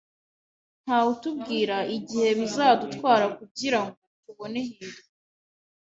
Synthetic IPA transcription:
n̥haːutubɡiːɾaʔiɟihe̞βizaːdutwaːɾakuɟiɾaŋɡo̞tuβo̞ne̞hiːdo

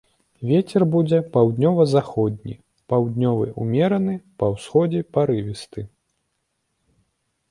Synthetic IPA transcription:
vʲet͡sʲɛrbud͡zʲɛpawd̪nʲɔvɐzaxɔd̪ʲnʲḭ | pawd̪ʲnʲɔvɨ̰ʔumʲɛɾɐnɨpɐwsxɔd͡zʲɛpaɾɨvʲist̪ɨ

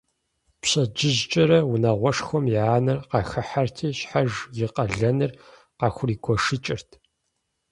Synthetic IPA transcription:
pɕɐd͡ʒɪʑt͡ʃʼɐɾɐwʊnɐʁʷɔʂxʷɔmjaːnɨrqɑxɐħartʰiːɕħaʒjɪqʼɐɮɐnɨr | qɑxʷʊriːɡʷʰɔʂɨt͡ʃʼɪrtʰ

